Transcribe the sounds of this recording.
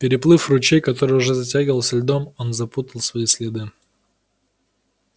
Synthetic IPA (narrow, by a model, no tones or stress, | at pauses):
pʲɪɾʲɪplˠɨfrʊt͡ɕejkɐt̪o̞ɾɨjʊʐɛzɐtʲæɡʲɪvəlˠsʲəlʲd̪o̞mo̞nzɐput̪əlˠsvɐisʲlʲɪd̪ɨ